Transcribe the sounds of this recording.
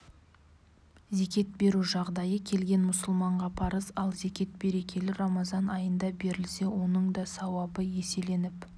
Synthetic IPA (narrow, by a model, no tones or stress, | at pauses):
ze̞kʲe̞t̪̚be̞ɾuʒɑʁd̪ɑjəkʲʰe̞lɡʲe̞nmʊsʊlˠmɑɴʁɑpʰɑɾəsɑlˠze̞kʲe̞t̪̚be̞ɾe̞kʲe̞lɪɾɑmɑzɑnɑjənd̪ɑbe̞ɾɪlse̞wo̞nəɴd̪ɑsɑwɑbəje̞se̞le̞nɪp